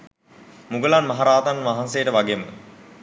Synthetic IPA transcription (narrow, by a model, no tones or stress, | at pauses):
muɡəlanmaɦaɾaːt̪anʋaɦansejəʈəʋaɡemə